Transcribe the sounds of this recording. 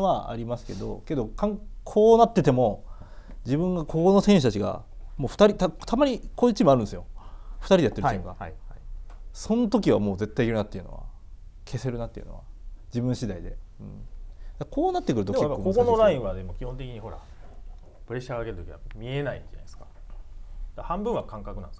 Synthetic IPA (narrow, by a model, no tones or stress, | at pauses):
βaa̰ɾʲimasɨ̥ke̞d̪o̞̰ke̞d̪o̞kʰãŋkʰo̞ːnat̪ːe̞t̪emo̞ | d͡ʑibɯ̟̃ŋɡako̞ko̞no̞sẽ̞ɕ̬ɨt̪at͡ɕiɡa̰mo̞ːɸɯ̟̥t̪aɾʲit̪at̪ʰamaɲ̟ikoːit͡ɕimaɾɯ̟̃nd̪esɨjoɸɯ̟̥t̪aɾʲid̪eat̪ːeẽɡa̰ | sõ̞not̪o̞k̬ʲiβamo̞ːze̞t̪ːaikʲiɾɯ̟nat̪ːeiɯ̟no̞̰βa̰ | kʰe̞se̞ɾɯ̟nat̪ːeiɯ̟no̰βa̰d͡ʑibɯ̟̃ɰ̃ɕid̪aid̪e̞̰ɯ̟̃ɴd̪̥akʰo̞ːnat̪ːekɯ̟ɾɯ̟t̪oekejapːaokoonoɾaĩɰ̃βad̪emo̞kʲihont̪e̞kʲiɲ̟iɦo̞ɾa̰ | pɯɾeɕaɡaːkeɾɯt̪okʲiamʲie̞naina̰sɨ̥kḁ | d̪̥ahãmbɯ̃ɰ̃akãŋkakɯ̟nãñdes